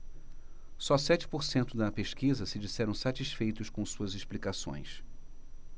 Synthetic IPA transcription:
sɔsɛt͡ʃɪ̥poɾsẽnt̪ʊd̪ɐpeʃkizɐsɪd͡ʒisɛɾɐ̃w̃sat͡ʃiʃfejt̪ʊʃkõsuɐzɪʃplikasõ̰j̃s

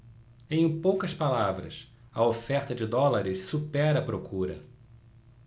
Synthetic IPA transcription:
ẽj̃powkɐspalavɾɐ̰s | ɐofɛχt̪ɐd͡ʒɪd̪ɔlaɾɪssupɛɾɐpɾokuɾɐ̰

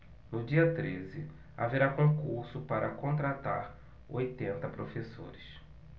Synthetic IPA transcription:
nʊd͡ʒiɐt̪ɾezɪ | a̰veɾakõkuɾsʊpaɾɐkõnt̪ɾat̪aɾ | ojt̪ẽnt̪ɐpɾofeso̰ɾɪs

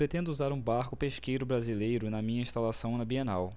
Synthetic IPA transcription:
pɾet̪ẽnd̪ʊuzaɾũbaɾkʊpeʃkejɾʊbɾazilejɾʊnɐmĩɲɐĩʃt̪alasɐ̃w̃nɐbienaw

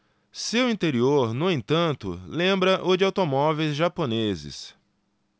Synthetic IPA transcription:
sewĩnt̪eɾioɾnʊẽt̪ɐ̃nt̪ʊ̰lẽmbɾɐʔʊd͡ʒɪawt̪omɔvejzʒaponezɪ̰s

